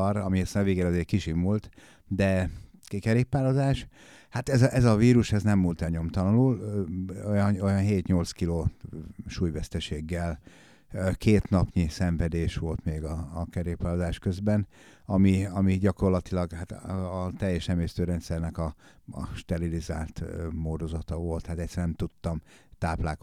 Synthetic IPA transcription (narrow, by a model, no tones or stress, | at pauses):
ɾɒmiesɛnveːɡɛlɒzeːrkiʃimult̪ | d̪ɛkɛɾeːpːaːlozaːʃ | hat̪ɛzɒʔɛzɒviːɾuʃɛznɛmːult̪ɛlɲo̞mt̪ɒlɔnul | ojɒno̞jɒnɦeːt̪ɲo̞lt̪skiloːʃuːjvɛst̪ɛʃeːɡːɛl | keːt̪nɒpɲisɛɱvɛd̪eːʃʋo̞lt̪meːɡɒːkɛɾeːpaːlozaːʃkøzbɛn | ɒmiɒmiɟɒko̞rlɒt̪ilɒɡhat̪ːt̪ɛjːɛʃnɛmeːst̪øːɾɛnt̪sɛrnɛkɒ | ɒ̰ʃt̪ɛɾiliza̰ːlt̪moːrd̪o̞zɒt̪ɒvo̞lt̪hat̪ɛc̪sɛrnɛmt̪ut̪ːɒm | t̪aːplaːk